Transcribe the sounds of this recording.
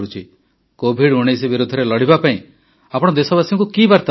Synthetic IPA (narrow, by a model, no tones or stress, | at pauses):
ut͡ʃʰi | kobʱiɽuɽ̃ejs̬ibiɾud̪ʱɔɾelɔɽ̤ibapaĩ | apɔɽ̃ɔd̪esɔbasiŋkukibaɾt̪a